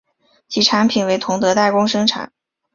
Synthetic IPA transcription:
t͡ɕʰi˧˥˩ʈ͡ʂʰa˧˥npʰi˨˩nwe˧˥ɪt̪ʰʊ˧˥ŋt̪ɤ˧˥t̪a˥˩ɪkʊ˥ŋʂɤ˥ŋʈ͡ʂʰa̰˨˩˦n

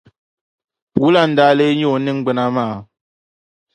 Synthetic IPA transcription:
wu˦la˦˨n̩˨da˨˦le˦ɲɔ˦˨ni˦ŋ˦ɡ͡bɛ˨na˦maː˦˨

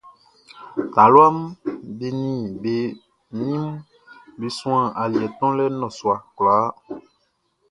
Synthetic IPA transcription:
t̪a˨lwa˦mbe˨nĩ˨be˨ | ɲĩ˦m | be˨sũ˦ã˦˨ʔa˨li˨ɛ˨t̪ɔ̃˦lɛ˦nɔ̃˨swa˨kla˨˦

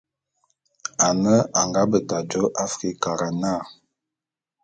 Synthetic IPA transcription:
a˨nə˦a˨ŋɡa˦bə˨ta˨d͡ʒo˦ʔa˦fɾi˨ka˨ɾa˨na˦˨

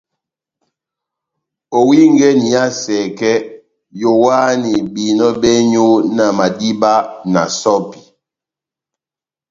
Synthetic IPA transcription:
o˨wi˦ŋ˦ɡɛ˦ni˨ja˦sɛ˨kɛ˦ | jo˨wa˦ni˨bi˨nɔ˦bɛ˦ɲo˦na˨ma˨di˦ba˦na̰˨sɔ˦pi˨

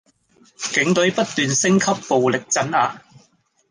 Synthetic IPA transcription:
kɪ˨˥ŋt̪ɵ˨˥ɥpɐ˥t̚t̪yː˨nsɪ˥ŋkʰɐ˥pːo˨wlɪ˨k̚t͡sɐ˨˥naː˨˧

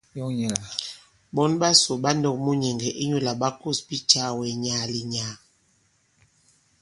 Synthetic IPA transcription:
jɔ˦ɲɛ˨l | bɔ˦nɓa˦so˨ɓa˦ndɔ˦˨k̚mu˦ɲɛ˨ŋɡɛ˨ʔi˦ɲu˦la˨ɓa˦ko˦˨sbi˦t͡ʃa˦wɛ˨ɲa˨˦˨li˨ɲaː˨˦

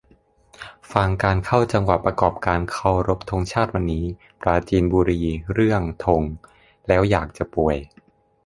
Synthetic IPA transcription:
fa˧ŋkaː˧nkʰa˥˩wt͡ɕa˧ŋwa˨˩t̪̚pːɾa˧kɔː˨˩p̚kaː˧nkʰa˥˩wɾo˦˥p̚t̪ʰo˧ŋt͡ɕʰaː˥˩t̪̚wa˧nːiː˦˥ | pɾaː˧t͡ɕiː˧nbuː˧ɾiː˧ɾɯ˥˩əŋt̪ʰo˧ŋ | lɛː˦˥wjaː˨˩k̚t͡ɕa˨˩pu˨˩əj

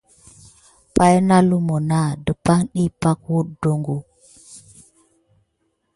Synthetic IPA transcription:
pa˦jna˦lu˦mo˨na˦˨də˨pa˦ŋɗi˦pa˦kwu˦ɗ̚do˦ŋɡu˦

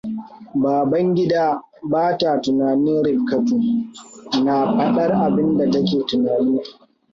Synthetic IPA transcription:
baː˨bɐ˦ŋɡʲɪ˦daː˦ | baː˦ta˨tʊ˨naː˨nɪ˦nɽɪ˨b̚kɐ˦ɸuː˨ | na˨ɸɐ˦ɗɐ˦rʔa˨bɪ˦nda˨tɐ˦kʲeː˨tʊ˨naː˨niː˦

